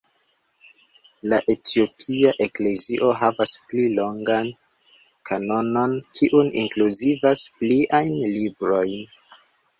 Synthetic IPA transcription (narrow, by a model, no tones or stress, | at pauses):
laʔe̞tʰio̞pʰiaʔe̞kle̞ziʔo̞ɦavasplilo̞ŋɡan | kʰano̞no̞nkʰiʔunḭŋkluzivaspliʔajnlibɾo̞jn